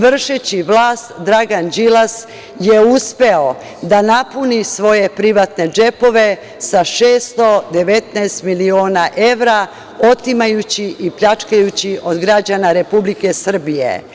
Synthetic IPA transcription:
ʋr̩ʃet͡ɕiʋlˠaːst̪d̪ɾaɡand͡ʒilas | jeuspe̞o̞ | d̪anapunisʋo̞je̞pɾiʋat̪ne̞d͡ʒe̞po̞ʋe̞ | saʃeːst̪o̞d̪e̞ʋe̞t̪naːst̪milio̞ːnaʔe̞ʋɾa | o̞t̪imajut͡ɕiʔipʎat͡ʃkajut͡ɕiʔo̞d̪ɡɾad͡ʑanaɾe̞publike̞sr̩bijḛ

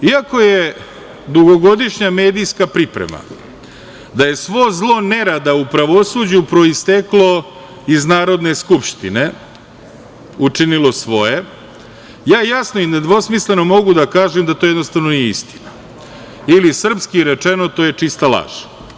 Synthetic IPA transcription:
iako̞je | d̪uɡo̞ɡo̞d̪iʃɲame̞ːd̪ijskapɾipɾḛma̰ | d̪aje̞sʋo̞zlˠo̞ne̞ɾad̪aupɾaʋo̞sud͡ʑupɾo̞ist̪eklˠo̞ | iznaːɾo̞d̪ne̞skupʂt̪ine̞ | ut͡ʂinilˠo̞sʋo̞je̞ | jaːjasno̞ine̞d̪ʋo̞smisle̞no̞mo̞ɡud̪akaːʒemd̪at̪ojed̪no̞st̪aʋno̞nijeist̪i̥na | ilisr̩pskiɾet͡ʂe̞no̞t̪oːje̞t͡ʂist̪alˠa̰ːʒe̥

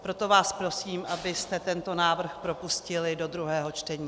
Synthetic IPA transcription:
pɾo̞t̪ovaːspɾo̞siːmʔabɪst̪ɛt̪ɛnt̪o̞naːvr̩xpɾo̞puscɪlɪdo̞d̪ɾuɦɛːɦo̞t͡ʃt̪ɛɲiː

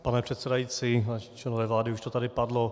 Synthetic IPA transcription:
panɛpr̝̥ɛt̪sɛdajiːt͡siːat͡ʃlɛnovɛːvlaːdɪuʃt̪ot̪adɪpadlo

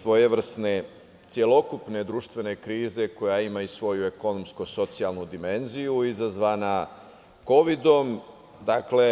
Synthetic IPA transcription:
sʋo̞jeʋr̩sne̞ | t̪sije̞lo̞kupne̞d̪ɾuːʃt̪ʋe̞ne̞kɾiːze̞ko̞jaimaisʋo̞jue̞ko̞no̞mskoso̞t̪sialnud̪ime̞nzijuizazʋana | ko̞ʋid̪o̞m | d̪akle̞

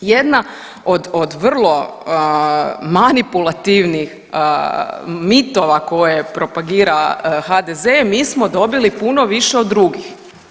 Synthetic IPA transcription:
je̞d̪na | od̪od̪ʋr̩lˠo̞ | manipulˠat̪iʋnix | ə | mit̪o̞ʋako̞jepɾo̞paɡiːɾaxad̪ezemiːsmo̞d̪o̞bilipuno̞ʋiʃeod̪ːɾuɡix

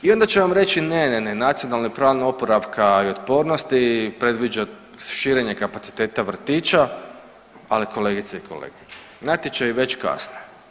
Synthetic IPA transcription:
io̞nd̪at͡ʃeʋamɾe̞t͡ʃinenenenat̪sijo̞nalnipɾaːʋniopoɾaʋkʰaiot̪po̞ːɾno̞st̪ipɾe̞d̪ʋid͡ʒa | ʃiːɾe̞ɲe̞kapat̪si̥t̪e̞ːt̪aʋr̩t̪iːt͡ʃa | aliko̞le̞ːɡit̪seiko̞lḛɡ̥e̥ | nat̪jet͡ʃajiʋe̞t͡ʃka̰sne

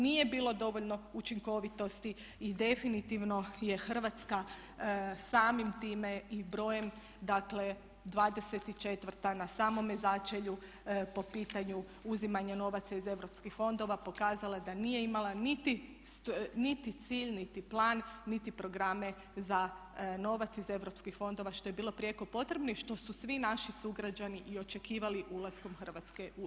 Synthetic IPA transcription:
nije̞biːlˠo̞d̪o̞ʋoʎno̞ut͡ʃiŋko̞ʋit̪o̞st̪iː | d̪e̞finit̪iʋno̞je̞xr̩ʋat̪ska | saːmimt̪iːme̞ibɾo̞ːje̞m | d̪akle̞ | d̪ʋaːd̪e̞set̪it͡ʃe̞t̪ʋr̩t̪anasaːmo̞mezat͡ʃeʎu | po̞piːt̪aɲu | uzimaɲano̞ʋat̪saize̞ʋɾo̞pskixfo̞nd̪o̞ʋapo̞kaːzalad̪anije̞imalˠanit̪i | snit̪it̪siːʎnit̪iplˠaːnːit̪ipɾo̞ɡɾame̞ | zano̞ʋat̪size̞ʋɾo̞pskixfo̞nd̪o̞ʋaʃt̪o̞je̞biːlˠo̞pɾije̞ko̞po̞t̪ɾe̞bnoiʃt̪o̞susʋinaʃisuɡɾad͡ʒaniʔio̞t͡ʃe̞kiːʋaliʔulˠasko̞mxərʋat̪ske̞ʔu

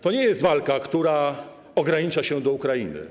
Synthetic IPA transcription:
t̪ɔɲɛjɛst̪valkakt̪uɾa | ɔɡɾaɲit͡ʂaɕɛd̪ɔukɾajḭnɘ̰

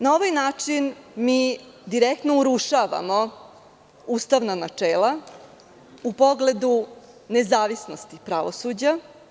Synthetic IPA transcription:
nao̞ʋajnaːt͡ʂinmiː | d̪iɾek̚t̪nouɾuʂaʋa̰mo̞ | uːst̪aʋnanat͡ʂeːlˠa | upo̞ɡle̞d̪u | nezaːʋisno̞st̪ipɾaʋosud͡ʑa

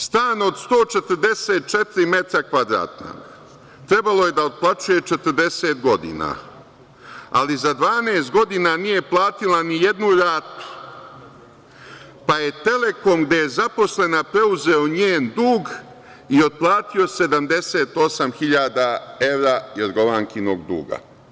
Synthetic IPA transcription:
st̪aːnod̪st̪o̞ːt͡ʃe̞t̪əɾd̪e̞seːt̪̚t͡ʃet̪iɾime̞t̪akʋad̪ɾa̰ːt̪no̰ɡ | t̪ɾe̞balˠo̞je̞d̪aod̪̚plˠat͡ʃuje̞t͡ʃe̞t̪əɾd̪e̞seːt̪ɡo̞d̪ḭːna̰ | a̰lizad̪ʋaːneːst̪̚ɡo̞d̪inanije̞plˠaːt̪ilanije̞d̪nuɾaːt̪u̥ | paje̞t̪e̞le̞ko̞mɡd̪e̞jezapo̞slenapɾe̞uzeoɲeːnd̪uːɡ | io̞d̪̚plˠaːt̪io̞se̞d̪amd̪e̞seːt̪o̞samxiʎaːd̪ae̞ʋɾaːjod̪ɡoʋaːŋkino̞ɡd̪ṵːɡa̰

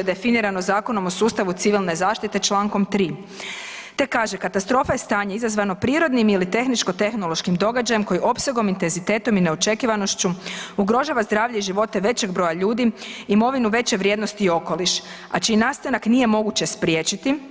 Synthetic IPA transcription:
ed̪e̞finiɾano̞zaːko̞no̞mo̞suːst̪aʋut̪siʋilnezaːʃt̪it̪e̞t͡ʃlˠaːŋko̞mt̪ɾiː | t̪e̞kːaːʒekat̪ast̪ɾo̞fajest̪aːɲeizazʋano̞pɾiːɾo̞d̪nimilit̪e̞xnit͡ʃko̞t̪e̞xno̞lo̞ʃkimd̪o̞ɡad͡ʑaje̞mko̞jiʔo̞pseɡo̞mint̪e̞nzit̪e̞ːt̪o̞mineot͡ʃe̞kiʋano̞ʃt͡ɕuuɡɾo̞ʒaːʋazd̪ɾaːʋʎeiʒiʋo̞t̪e̞ʋe̞t͡ɕe̞ɡbɾo̞jaʎuːd̪iimo̞ʋinuʋe̞t͡ɕeʋɾʲjeːd̪no̞st̪iːo̞ko̞liʃ | at͡ʃiːnaːst̪anaknije̞mo̞ɡut͡ɕe̞spɾjeːt͡ɕit̪i

